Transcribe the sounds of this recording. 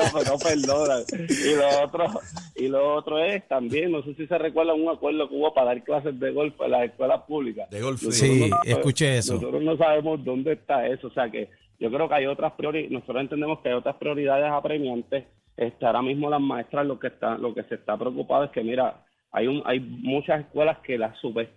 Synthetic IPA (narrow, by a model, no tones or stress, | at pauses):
openope̞ɾd̪onaŋiloot̪ɾoiloot̪ɾoest̪ambje̞ŋno̞s̬esise̞rekwe̞ɾðaŋuŋakwe̞ɾðo̞keuβo̞paðaɾklas̬e̞zd̪e̞ɣo̞lfoḛlaseskwe̞laspuβlikadonososekut͡ʃeesnossot̪ɾosnos̬aβe̞mo̞zd̪o̞nd̪est̪ae̞soːse̞ake̞̰ | ɟ͡ʝo̞kɾeo̞keajo̞t̪ɾaspɾjo̞ɾino̞sot̪ɾosent̪end̪emohkeajo̞t̪ɾaspɾio̞ɾiðað̞e̞sapɾe̞mjãnt̪e̞s | est̪eaoɾamizmo̞lazmãe̞st̪ɾalo̞kest̪alʔo̞ke̞se̞st̪apɾeokupaðoe̞ske̞miɾa | a̰jua̰jmut͡ʃase̞hkwe̞laske̞lasupe